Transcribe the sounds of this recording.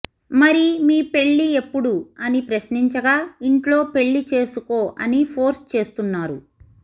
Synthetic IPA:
mɐɾimiːpe̞ɭːie̞pːuɽuɐnipɾɐsniɲt͡ʃɐɡaːiɳʈlo̞ːpe̞ɭːit͡ʃe̞ːsuko̞ːʔɐ̰nipʰo̞ːɾst͡ʃe̞ːst̪unːaːɾu

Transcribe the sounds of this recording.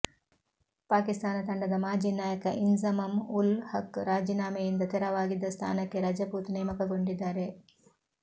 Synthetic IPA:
paːkist̪aːnɐt̪ɐɳɖɐd̪ɐmaːd͡ʒiːnaːjɐkɐʔinzɐmɐmulhɐkɾaːd͡ʒinaːmɐjind̪ɐt̪ɛɾɐʋaːɡid̪ːɐst̪ʰa̰ːnɐkːe̞ɾɐd͡ʒɐpuːt̪nɛːmɐkɐɡo̞ɳɖid̪ːaːɾe̞

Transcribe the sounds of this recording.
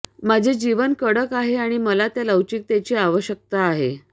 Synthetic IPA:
mad͡ʑʱed͡ʑiʋənkəɽəkaɦeaɽ̃iməlat̪jaləwt͡ɕiːk̚t̪jat͡ɕiːaʋəɕjək̚t̪aːɦḛ

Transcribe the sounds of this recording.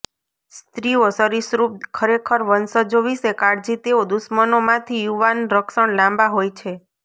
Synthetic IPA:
st̪ɾiosəɾisɾup̪̚kʰəɾekʰəɾʋənsəd͡ʒoʋisekaɽd͡ʒit̪eod̪usmənomãt̪ʰijuʋanɾəkʃəɽlãmbaɦojt͡ʃʰe

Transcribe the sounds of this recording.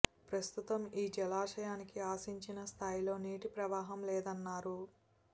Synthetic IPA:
pɾɐst̪ut̪ɐmiːd͡ʒɛlaːʂɐjaːnikiaːsiɲt͡ʃinɐst̪ʰaːjilo̞ːneːʈipɾɐʋaːɦɐmlɛːd̪ɐnːaːɾu

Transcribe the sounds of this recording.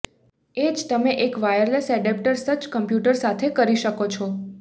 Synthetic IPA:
ed͡ʒt̪əmeʔekʋajəɾlesɛɖep̚ʈəɾsət͡ʃkəmpjuʈəɾsat̪ʰekəɾiʃəkot͡ʃʰɔ

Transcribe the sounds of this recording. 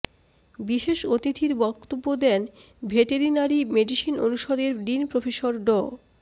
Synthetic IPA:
biʃeʃot̪it̪ʰiɾbɔkt̪obːod̪ɛn | bʱeʈeɾinaɾimeɖiʃinonuʃod̪eɾɖinpɾofeʃoɾɖɔ

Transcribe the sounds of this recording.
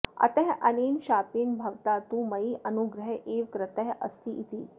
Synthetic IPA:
ɐ̰t̪əɦʔɐniːnɕaːpiːnbʱɐʋt̪at̪uːməiːʔɐnuɡɾəɦʔeʋkɾɪt̪əɦə̰st̪ʰiʔit̪iː

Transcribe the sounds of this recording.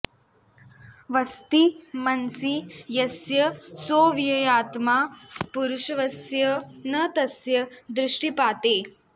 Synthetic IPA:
ʋɐst̪imɐnsijɐsjɐsoːʋijɐjaːt̪maːpuɾʊʃɐʋɐsjɐnɐt̪ɐsjɐd̪ɾɪʂʈipaːt̪eː

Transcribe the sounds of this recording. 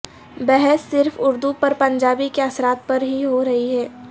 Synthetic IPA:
bɛɦɛsːɪɾfʊɾd̪upɐɾpɐ̃ɲd͡ʒaːbikeɐsɾaːt̪̚pɐɾɦiɦoɾɐɦiɦɛː

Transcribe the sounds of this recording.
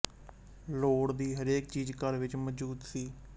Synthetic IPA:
loːɽd̪iːɦəɾeːk̚t͡ʃiːd͡ʒkəɾʋɪt͡ʃməd͡ʒuːd̪siː

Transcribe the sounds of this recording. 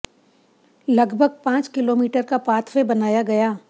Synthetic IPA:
lɐɡbʱəɡ̚pãːt͡ʃkɪloːmiːʈəɾkapaːt̪ʰʋebɐnaːjaɡɐjaː

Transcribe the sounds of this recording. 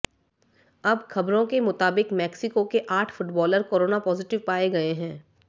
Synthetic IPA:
ɐbxɐbɾõkemʊt̪aːbɪkmɛːksɪkokeʔaːʈʰfʊʈbɔːləɾkoːɾoːnapɔːzɪʈɪʋpaːeɡɐeɦɛ̃ː

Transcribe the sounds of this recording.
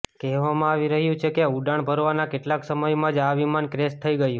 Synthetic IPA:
kɛɦʋamãaʋiɾəɦjũt͡ʃʰekeauɖaɳ̃bʱəɾʋanakeʈlaksəməjmãd͡ʒaʋimankɾest̪ʰəiɡəju

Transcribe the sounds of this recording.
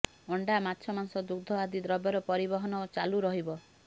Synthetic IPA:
ɔɳɖamat̪ːʃʰɔmanɔsɔd̪uɡd̪ʱɔad̪id̪ɾɔbjɔɾɔpɔɾibɔɦɔnɔot͡ʃaluɾɔɦibɔ

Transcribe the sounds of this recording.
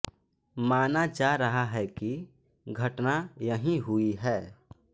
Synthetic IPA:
maːnad͡ʒaːɾɐɦaɦɛki | ɡʱɐʈnajəɦĩɦʊiɦɛː

